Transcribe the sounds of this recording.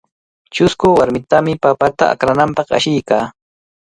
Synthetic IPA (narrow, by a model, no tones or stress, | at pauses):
t͡ʃʊskʊwaɾmɪt̪amɪpapat̪a̰a̰kɾanampɑχa̰ʃɪjkaː